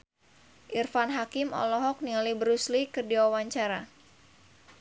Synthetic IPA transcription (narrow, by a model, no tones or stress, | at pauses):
ʔirfanɦakimɔ̰lɔɦɔk̚nialibəɾuslikɨrdiwawaɲt͡ʃaɾa